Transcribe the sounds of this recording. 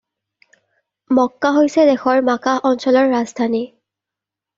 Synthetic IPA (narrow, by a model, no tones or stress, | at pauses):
mɔkːaɦojsɛd̪ɛxɔɹmakaɔnsɔlɔɹːazdʱani